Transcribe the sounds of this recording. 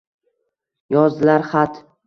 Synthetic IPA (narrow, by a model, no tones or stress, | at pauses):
jɒzlaɾχat̪